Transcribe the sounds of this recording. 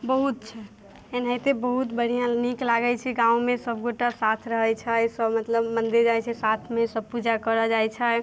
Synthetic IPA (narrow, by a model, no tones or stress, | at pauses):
bəɦut̪̚t͡ʃʰɛ | enɦəjt̪ebəɦut̪bəɽ̤ijãniklaɡət͡ʃʰiɡãumesəb̚ɡoʈasat̪ʰɾəɦəjt͡ʃʰəsəbmət̪ləbmənd̪ed͡ʒajt͡ʃʰɛsat̪ʰmesəb̚pud͡ʒakəɾəd͡ʒajt͡ʃʰɛ